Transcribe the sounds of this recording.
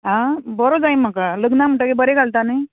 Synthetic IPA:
ɦãbəɾod͡zajməkaləɡnam̤əʈəkebəɾekaɭt̪anəj

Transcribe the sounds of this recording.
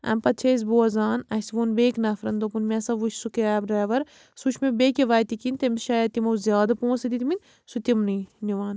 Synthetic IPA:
ɐ̰mpɐt̪̚t͡ʃʰɐs̬buɐzaːnɐsʋunbeːknɐfɾɐnd̪opunmʲesɐʋuʃsukeaːbɾɛːʋɐɾ | suʃʰmebeːkʲeʋaːjt̪ikint̪emʃajɐt̪imɐwzʲjaːd̪ɐpõːnsɐd̪it̪min | sut̪imniniʋaːn

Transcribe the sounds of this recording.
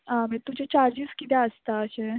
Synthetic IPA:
ɦãmɛt̪ud͡ʑet͡ɕaɾd͡ʑiskit̪ɛəst̪aəɕe

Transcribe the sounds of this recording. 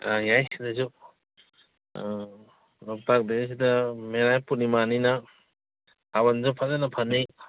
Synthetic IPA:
ajajdazu | nɔp̚tak̚des̬idameɾajpunimanina | abanzɔpʰazanapʰani

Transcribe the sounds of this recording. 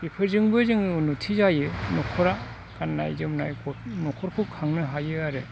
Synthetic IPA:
bipʰɯɾzɯŋbɯzɯŋnutʰizajɯnɔkʰɔɾa | kanːa̰jzɯmnajɡɔnɔkʰɔɾkʰukʰaŋnɯɦajɯaɾɯ

